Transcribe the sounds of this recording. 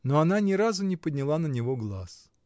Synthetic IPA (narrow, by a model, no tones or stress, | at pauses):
noɐnanʲɪɾazʊnʲɪpəd̪ʲnʲɪlˠanənʲɪvoɡlˠa̰s